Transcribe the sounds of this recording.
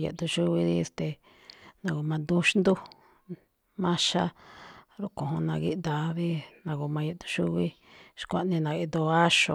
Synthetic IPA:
jḛ˨t̪u˧ʃu˦βi˧ði˦˧st̪e˧ | nã˧ɣo˧mã˧nd̪u˦ʃnd̪u˦ | mã˦ʃa˦ɾu˦kõ˨õ˧nã˧ɣḭ˦ʔ̪d̪a˨βi˦nã˧ɣo˧mã˧je˧t̪u̥˧ʃu˦βi˦ | ʃkʷa˦ʔnĩ˧nã˨i˧d̪o˧a˦ʃo̰˧˨

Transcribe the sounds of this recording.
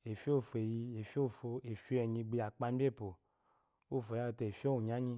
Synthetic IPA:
e˨fi˦o˦˨fo˨e˨ji˧e˨fo˦˨fo˧e˨fɛ˨ɲĩ˧ɡ͡bi˧a˨k͡pa˧n˦bʲe˦˨po˨ | o˦˨fo˨ja˦˧˨te˧˨e˨fi˦o˦u˨ɲ˨a˨˦ɲĩ˧

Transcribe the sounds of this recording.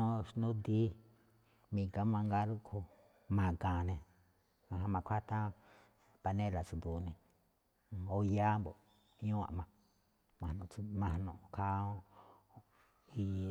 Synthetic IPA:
nõ˦ʂnũ˦d̪i˦ | mĩ˧˨ka˧mã˧ŋɡa˧ɾu˦kʰu˧ | mã˨kã˨nẽ˧ | ã˧ɦã˧mã˧kʷʰa˦t̪ã˦ | pa˧nẽ˦la˨t͡su˧˨d̪u˨nẽ˧˨ | o˧ja˦mbo˨ | ɲũ˦ã̰˨ʔmã˧ | mã˨nũ˧u˧mã˧˨nõ˧˨˧kʰa˦õ˦ | i˧

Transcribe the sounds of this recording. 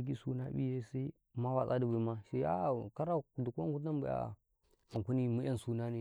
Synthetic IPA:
ɡ̬i˦su˦na˦bi˦e˦si˦ | ma˦wa˨sʼa˦di˦ba˨˦ma˦ʃe˦a̰˦˨ka˦ɾa˦˨du˨ka˦ŋɡu˦tna˦mba˨a̰˦˨ | a˨ŋku˦ni˦mu˦a˦nsu˦na˦ne˨

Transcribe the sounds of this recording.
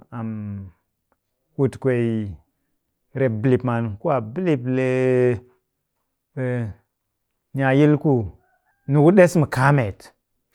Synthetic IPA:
a˨m | wu˨tkʷe˨i˨ | ɾe˨bli˨pma˨n˨ku˦a˨bli˦˨ple˨ | ɲa˨ji˦lku˦ | nu˨ku˦ɗe˦smu˨ka˦me˨t

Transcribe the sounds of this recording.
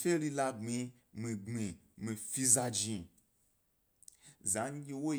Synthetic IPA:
fe˦li˦la˦ɡ͡bĩ˧ | mĩ˨ɡ͡bĩ˨ | mĩ˨fi˦za˧d͡ʒĩ˧ | za˨˦ɡʲi˦wo˦

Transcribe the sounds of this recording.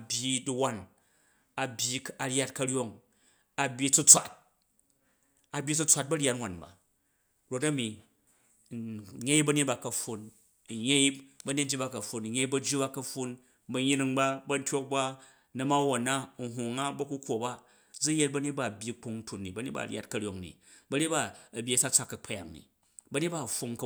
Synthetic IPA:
bʲji˦di˨˧wa˦n | a˨bʲji˦ka˨ɾʲa˦t̚kɐ˧ɾʲjo˦ŋ | a˨bʲji˦t͡su˦t͡sʷa˨t̚ | a˨bʲji˦t͡su˦t͡sʷa˨˦t̚bɐ˦ɾʲja˦tnwa˨nba̰˨ | ɾo˦˧tɐ˦mi˨ | ɲe˦i˦bɐ˦ɲe˦t̚ba˨kɐ˨ɸu˧n̩˨ | je˦i˦bɐ˦ɲe˦tnd͡ʒi˦ba˧kɐ˨ɸu˨n̩˨je˦i˦bɐ˦˧d͡ʒi˦ba˦kɐ˧ɸu˧n | bɐ˧ɲi˦ni˦˧ŋba˦bɐ˦n̩˦tʲo˦k̚ba˦ | nɐ˨ma˦wo˨na˦˨ɦu˨ŋa˦bɐ˦ku˦kʷo˨ba˦ | d͡zu˦je˦t̚bɐ˦ɲe˦t̚ba˦˨bʲji˦k͡pu˧ŋ̩˦tu˨nːi˨bɐ˦ɲe˦t̚ba̰˦˨ɾʲja̰˦tkɐ˨ɾʲo˨ŋnḭ˨ | bɐ˦ɲe˦t̚ba˦ɐ˨bʲji˦ɐ˨sa˦t͡sa˦kːɐ˨k͡pʰɐ˦ja̰˨ŋnḭ˨ | bɐ˨˦ɲe˦t̚ba˦˨ɸu˧ŋ˦k

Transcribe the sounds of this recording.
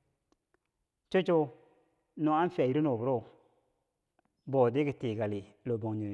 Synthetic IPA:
t͡ʃo˦t͡ʃo˦ | no˨˦a˦n˦fi˨a˨ji˨˦ɾi˦no˨bu˨ɾo˦˨ | bo˨de˦ɡi˨te˨ɡa˨li˨ | lo˨bo˨ŋɲo˨

